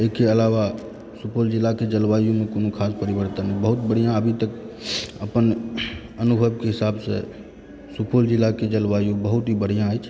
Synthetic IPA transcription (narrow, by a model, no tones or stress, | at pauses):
ekeəlawa | supʰold͡ʒɪlːaked͡ʒəlbajõmekoːnokʰaspəɾibəɾt̪ənɦɛbəɦut̪bəɽ̤ijãəbʱit̪əkəpən | ənubʱəbkeɦɪsabse | supʰold͡ʒɪlːaked͡ʒəlbajõbəɦut̪ɦibəɽ̤ijãət͡ʃʰ